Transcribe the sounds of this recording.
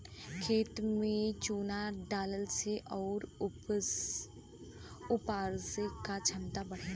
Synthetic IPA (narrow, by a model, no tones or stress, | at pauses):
kʰeːt̪mẽt͡ʃoːnaɖaːləlseʔɔːɾ | ʊpaːɾsekat͡ʃʰɐmt̪abəɽ̤e